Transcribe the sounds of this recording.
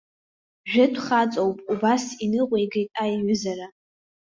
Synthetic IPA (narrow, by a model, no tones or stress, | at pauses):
ʒᶣɪdʷʰχat͡sʼowpʼubasinɨqʷejɡijtʼajɥʊzaɾa